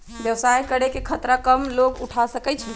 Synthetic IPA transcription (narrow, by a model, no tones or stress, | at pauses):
bjəwsajkəɽekekʰət̪ɾakəmloɡuʈʰasəkɛt͡ʃʰə